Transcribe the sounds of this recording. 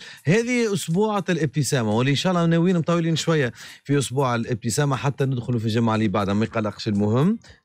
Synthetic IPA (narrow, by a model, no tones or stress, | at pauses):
hɛːðiʔʊsbuːʕalɪb̚t̪əsæːmawɪlːiʔnʃaæːʔlːɑnæwiːnmt̪ˤɑwiliːnʃwæjːæfiʔʊsbuːʕɪlʔɪb̚t̪əsæːmaħat̪ːænɪd̪xʊlufiʒamʕalibaʕd̪hæmæjqɑlːɑqʃɪlmʊhɪmː